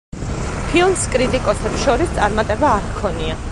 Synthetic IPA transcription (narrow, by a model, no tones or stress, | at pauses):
pʰilˠmskʼɾit̪ʼikʼɔsɛpsʃɔɾist̪sʼaɾmat̪ʼɛbaːɾkʰɔnia